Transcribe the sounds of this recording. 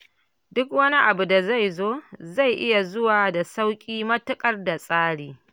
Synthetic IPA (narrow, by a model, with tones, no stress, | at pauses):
dʊ˦kwɐ˦ni˦ʔa˨bu˨da˨za˦˨jzoː˦za˦˨jʔɪ˦ja˨zʊ˦waː˨da˨sa˦wkʲʼiː˦mɐ˦tʊ˦kʼɐ˦˨rda˨sʼaː˦ɽiː˨